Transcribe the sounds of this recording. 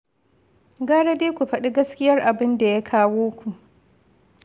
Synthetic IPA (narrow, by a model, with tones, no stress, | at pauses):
ɡaː˦ɽa˦deː˦kʷu˨ɸɐ˦ɗi˦ɡɐ˦skʲɪ˦jɐ˦rʔa˨bɪ˦nda˨ja˦kʰaː˦woː˦kʷu˨ʔ